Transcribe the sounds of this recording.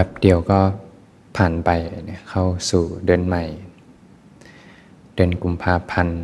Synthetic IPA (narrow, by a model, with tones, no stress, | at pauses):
ba˧˦p̚di˨˧˩əwkɔː˥˩ | pʰaː˨˩npa˧jn˧kʰa˥˩wsuː˨˩dɤː˧nma˨˩j | dɤː˧ənku˧mpʰaː˥˩pʰa˧n